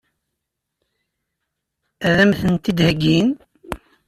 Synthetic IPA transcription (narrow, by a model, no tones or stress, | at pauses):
æðæmθənt̪id̪həɡin